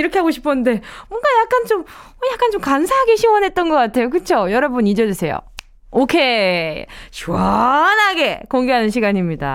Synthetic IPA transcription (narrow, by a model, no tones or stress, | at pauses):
iɾʌkʰe̞ɦaɡoɕʰi̥pʰʌnnde̞mwʌnɡajak̚k͈ant͡ɕomʌjak͈ant͡ɕomkansʰaɦaɡeɕʰiwʌnɦe̞t̚t͈ʌnɡʌk͈atʰe̞jok̬ɯt͡ɕʰojʌɾʌbunid͡ʑʌd͡ʑusʰe̞jo̰ | okʰe̞ | t͡ɕuʌnɦaɡe̞koŋɡeɦanɯnɕʰiɡaɲimɲida̰